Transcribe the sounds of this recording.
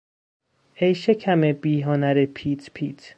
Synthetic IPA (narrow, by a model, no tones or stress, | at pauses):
ejʃekʰæmebiːɦonæɾepʰiːt̪ʰpʰiːt̪ʰ